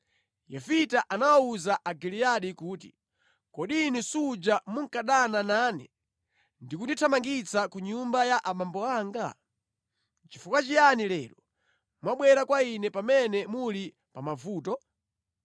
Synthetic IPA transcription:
jɛfitaʔanawauzaʔaɡilijaɗikuːtḭ | kɔɗinusud͡ʒamuŋ̩kaɗanananɛ̰ | ndikunditʰamaŋɡit͡sakuɲumbajaʔamambɔaːŋɡa | t͡ʃifukwat͡ʃijanilɛːɾɔ | mwaɓwɛɾakwainɛpamɛnɛmuli | pamavuːtɔ

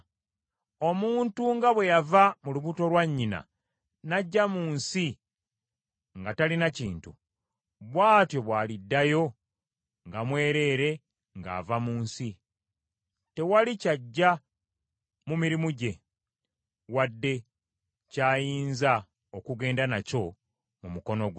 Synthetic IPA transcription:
o̞muːntuŋɡaβwe̞javamuluβuto̞lwaɲːina̰ | naɟːamuːnsi | ŋɡatalinaciːntu | βwaːtjo̞βwaːlidːajo̞ | ŋɡamwe̞ːɾe̞ːɾe̞ | ŋɡa̰ːvamuːnsi | te̞walicaɟːa | mumiɾimuɟe̞ | wadːe̞ | caːjiːnza | okuɡe̞ːndanaco̞ | mumuko̞noɡ

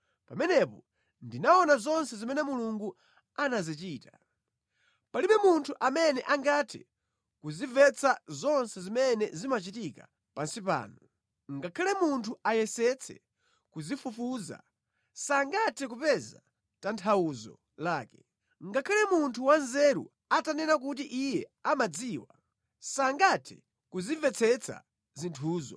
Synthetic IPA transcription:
pamɛnɛpɔ | ndinaɔnazɔnsɛzimɛnɛmuluŋɡu | anazit͡ʃiːta | paliɓɛmuntʰuʔamɛnɛʔaŋɡatʰɛ̰ | kuzivɛt͡sʰazɔnsɛzimɛnɛzimat͡ʃitika | pansipa̰ːnɔ | ŋɡakʰalɛmuntʰuajɛsɛt͡sʰɛ̰ | kuzifufuːza̰ | saŋɡatʰɛk̬upɛza | tantʰauzɔ̰ | laːkɛ̥ | ŋɡakʰalɛmuntʰuwanzɛɾṵ | atanɛnak̬ut̬iʔijɛamad͡ziːwa | saŋɡatʰɛ | kuzivɛt͡sʰɛt͡sʰa̰ | zintʰuːzɔ̰

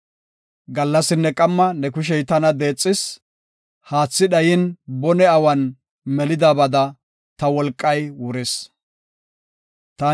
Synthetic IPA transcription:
ɡɐlːɐsɪnːɛkʼɐmːɐnɛkʊʃ̬ɛjt̪ɐnɐd̪e̞ːt͡sʼːɪs | haːt͡sːɪɗɐjɪnbɔnɛɐwɐn | mɛlɪd̪aːbɐd̪ɐ | t̪ɐwɔlkʼːɐjwʊɾɪs | t̪ɐ

